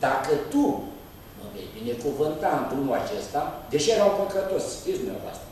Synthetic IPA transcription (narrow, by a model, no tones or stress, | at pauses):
d̪akət̪u | məmḛjbine̞kuvɨnt̪and̪umulat͡ʃest̪ad̪eʃejeɾawpəkət̪osi̥t̪isd̪umnʲa̰voa̰st̪ɾə